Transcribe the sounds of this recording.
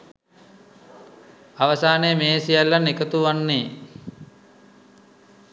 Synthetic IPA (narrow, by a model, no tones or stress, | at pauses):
aʋəsaːnejəmeːsijalːanekət̪uʋanːeː